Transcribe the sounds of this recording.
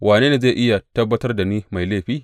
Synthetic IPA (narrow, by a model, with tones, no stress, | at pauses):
wʔaː˨neː˦neː˨zeː˦˨ʔɪ˦ja˨tɐ˦bːɐ˦tɐ˦rda˨ni˦ma˨jleː˦˨ɸiː˦